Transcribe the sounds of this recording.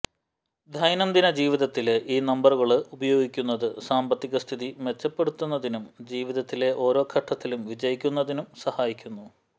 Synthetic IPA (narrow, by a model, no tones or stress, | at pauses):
d̪ʱɐjnɐmd̪inɐd͡ʑiːʋiðɐt̪ːilʔiːnɐmbɐruɣɐɭɨubɐjo̞ːɡikʲːun̪ːɐðɨsaːmbɐt̪ːiɣɐst̪ʰiðime̞t͡ɕːɐpːe̞ɽut̪ːunːɐðinumd͡ʑiːʋiðɐt̪ːile̞ʔo̞ːɾo̞ːkʰɐʈʰːɐt̪ːilumʋid͡ʑɐjikʲːun̪ːɐðinumsɐhaːjikʲːunːu